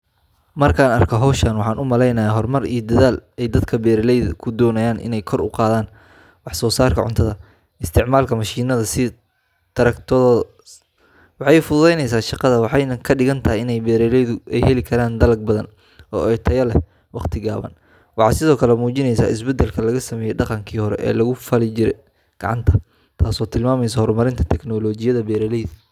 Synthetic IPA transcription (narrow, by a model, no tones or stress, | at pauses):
mɐrkʰaːnɐ̰rkʰɔɦɔwʃɐnwɑħɑːnʊmɐlɛjnɐjaːɦɔrmɐrḭjɔd̪ɐðaːlɛjd̪ɐd̪kʰɐbɛːɾɛlɛjðɐ̰kʰʊd̪ɔːnɐjaːnʔɪ̰nɛjkʰɔrʊ̰qɑːðaːn | wɑħsɔːsaːrkʰɐ̰ʕʊ̰nt̪ʰɐðɐ | ɪst̪ʰɪʕmaːlkʰɐmɐʃiːnɐðɐsɪ | t̪ʰɐɾɐkt̪ʰ | wɑħɑjfʊðɛjnɛjs̬aːʃɑqɑðɐwɑħɑjnɐkʰɐɖɪɣɐnt̪ʰɐɦjɪnɛjbɛːɾɛlɛjðʊʔɛjɦɛlɪkʰɐɾaːnd̪ɐlɐɡ̚bɐðɐn | ɔːɛt̪ʰɐjɐlɛ | wɑqt̪ʰɪɡaːβɐ̰n | wɑħɑ̰ːsɪðɔːkʰɐlɛmuːt͡ʃɪnɛjsa̰ːɪsbɛd̪ɛlkʰɐlɐɣɐsɐmɛːjɛjɖɑqɑŋkʰiːhɔɾɛ̰ʔɛ̰ːlɐɣʊfɐlɪt͡ʃɪɾɛ̰j | ɡ̥ɐ̰ʕɑ̰nt̪ʰɐ | t̪ʰaːsɔːt̪ʰɪlmaːmɛjs̬ɐhɔɾmɐɾɪnt̪ʰɐ̥t̪ʰɛknɔlɔːt͡ʃɪjɐðɐbɛːɾɛlɛjðɐ